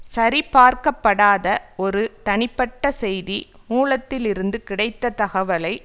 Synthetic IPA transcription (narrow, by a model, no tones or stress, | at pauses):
sɐɾipaːɾkɐpːɐɽaːðɐɔɾɯt̪ɐɳɪpːɐʈːɐsɛjðimuːlɐt̪ːɪlɪɾɯnd̪ɯkɪɽɐɪt̪ːɐt̪ɐɣɐʋɐlɐɪ